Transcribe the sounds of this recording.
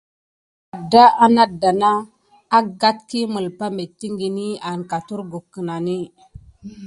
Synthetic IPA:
a˨dːa˦ʔa˦na˦da˨naː˦ | ɡa˦tki˦mu˨lpa˦me˨tːi˦ŋɡi˨ni˦a˨nka˨tu˦ɾɡu˨kːə˨na˨ni˦

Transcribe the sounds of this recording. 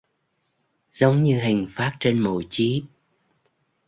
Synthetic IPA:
zə˨˦wŋ͡mɲɨ˧ɦi˨˩ŋ̟faː˦˥t̚t͡ɕe˧nmo̰˧˩t͡ɕi˨˦

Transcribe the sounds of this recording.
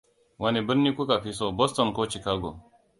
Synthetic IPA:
wa˨ni˨bə˦nːi˦ku˦ka˨pi˦so˦bo˦stɔ˨nko˦t͡ʃi˨ka˦ɡo̰˨

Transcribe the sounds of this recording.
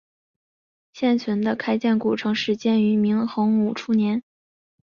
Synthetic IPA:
ɕjɛ˥˩nt͡ɕʰə˧˥nd̪ə˧kʰa˥ɪt͡ɕjɛ˥˩nku˨˩ʈ͡ʂʰɤ˧˥ŋʂɻ̩˥˩t͡ɕjɛ˥˩ny˧˥mi˧˥ŋxɤ˧˥ŋu˨˩ʈ͡ʂʰu˥njɛ˧˥n

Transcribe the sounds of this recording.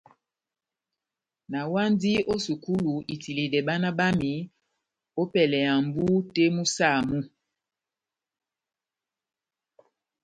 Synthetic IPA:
na˨wa˦ndi˦ʔo˦su˨ku˦lu˨ʔi˨ti˨li˨dɛ˨ba˦na˦ba˦mi˨ | o˦pɛ˨lɛ˨ja˨mbu˦te˦mu˦sa˦˨mu˦

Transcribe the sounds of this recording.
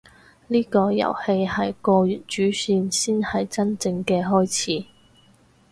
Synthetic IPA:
liː˥kɔː˧jɐ̰˨˩whe˧jhɐ˨jkɔː˧jyː˨t̚t͡ʃyː˨˥syː˧nsiː˥nhɐ˨jt͡sɐ˥nt͡sɪ˧ŋkɛː˧ɦɔː˥jt͡sʰiː˨˥

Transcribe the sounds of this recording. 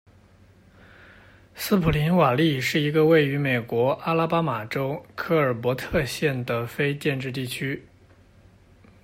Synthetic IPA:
sɹ̩˥pʰu˨˩li˧˥nwa˨˩li˥˧ʂɻ̩˥˩i˧˥ɡə˧we˥˩ɪy˧˥me˨˩ɪkwɔ˧˥ʔa˥la˥˧pa˥ma˨˩ʈ͡ʂo˥ʊkʰɤ˥˩ə˞˨˩pwɔ˧˥t̪ʰɤ˥˧ɕjɛ˥˩nd̪ə˩fe˥ɪt͡ɕjɛ˥˧nʈ͡ʂɻ̩˥˧t̪i˥˩t͡ɕʰy˥

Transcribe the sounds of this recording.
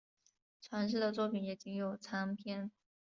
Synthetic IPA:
t͡sʰwa˧˥nʂ̬ɻ̩˥˩d̪ə˩t͡swɔ˥˩pi˨˩njɛ˨˩t͡ɕi˧˥ŋjo˨˩ʊt͡sʰa˧˥ŋpʰjɛ˥˩n

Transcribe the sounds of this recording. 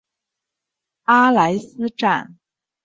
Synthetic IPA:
a˥la˧˥ɪsɹ̩˥ʈ͡ʂa̰˥˩n

